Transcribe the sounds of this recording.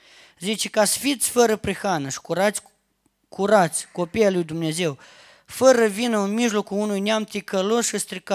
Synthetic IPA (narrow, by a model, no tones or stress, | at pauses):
zit͡ʃekasfit̪sʲfəɾəpɾixanəʃi̥kuɾat̪sʲ | kʰuɾat̪sʲko̞pijalujd̪umne̞ze̞w | fəɾəvinəɨnmiʒlo̞kuunujneamt̪ikəlosʃɨst̪ɾika